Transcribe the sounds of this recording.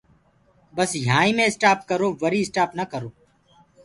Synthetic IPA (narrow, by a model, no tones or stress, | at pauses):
bəsjãːĩːmẽːsʈaːp̚kəɾoːʋəɾiːsʈaːpnəkəɾoː